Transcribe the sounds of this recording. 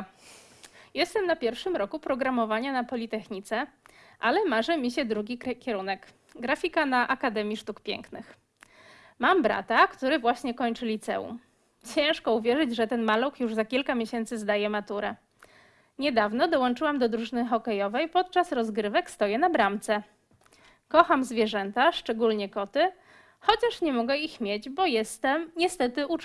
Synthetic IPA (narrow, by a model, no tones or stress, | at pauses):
jɛst̪ɛmnapʲjɛɾfʂɘmɾɔkupɾɔɡɾamɔvaɲanapɔlʲit̪ɛxɲit̪sɛ | ʔalɛmaʐɛmʲiɕɛd̪ɾuɡʲikʲɛɾunɛk | ɡɾafʲikanaʔakad̪ɛmʲjiʂt̪ukpʲjɛ̰ŋknɘx | mambɾa̰t̪akt̪uɾɘvwaɕɲɛkɔɲt͡ʂɘlʲit̪sɛ̰ṵm | t͡ɕɛ̃w̃ʂkɔuvʲjɛʐɘd͡ʑʐɛt̪ɛnmalukjuʐzakʲilkamʲjeɕɛnt̪sɘzd̪ajɛmat̪uɾɛ | ɲɛd̪avnɔd̪ɔwɔnt͡ʂɘwamd̪ɔd̪ɾuʐɘnɘxɔkɛjɔvɛjpɔt̪̚t͡ʂasɾɔzɡɾɘvɛkst̪ɔjɛnabɾamt̪sɛ | kɔxamzvʲjɛʐɛnt̪aʂt͡ʂɛɡulɲɛkɔt̪ɘ | xɔt͡ɕaʂɲɛmɔɡɛixmʲjed͡ʑbɔjɛst̪ɛmɲɛst̪ɛt̪ɘʔu